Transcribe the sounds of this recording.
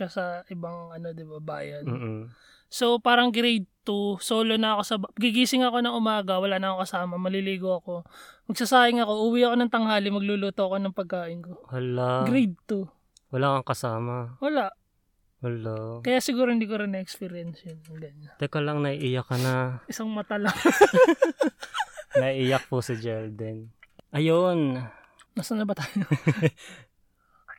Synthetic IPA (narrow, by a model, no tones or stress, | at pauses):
asɐʔɪbaŋʔɐno̞d̪ɪbaba̰ːjɐn̩ː | so̞paːɾɐŋɡɾejd̪̚t̪usoːlo̞nɐɐko̞sɐbɡɪɡiːsɪŋɐko̞nɐŋʊmaːɡɐwɐlaːʔnɐɐkoŋkɐsaːmɐmɐliliːɡoɐko̞mɐɡ̚sasaːhɪŋɐko̞ʔuːwiʔɐko̞nɐŋt̪ɐŋhaːlɪmɐɡ̚luluːt̪oʔɐko̞nɐŋpɐɡ̚kaːʔɪnko̞wɐlaɡɾejd̪̚t̪u | wɐlakɐŋkɐsaːmɐwɐlaʔ | wʊlokɐjaʔsɪɡuːɾoɪnd̪iːkoɾɪnɛɛkspiɾjɛnsjɐnɐŋɡɐnɲɐt̪ɛkɐlɐŋnɐʔiʔiːjɐkːɐnaʔɪsaŋmɐt̪ɐlaŋ | nɐiʔiːjɐk̚posɪd͡ʒɛld̪ɛn | ʔɐjon | nasɐnlːɐbɐt̪aːjo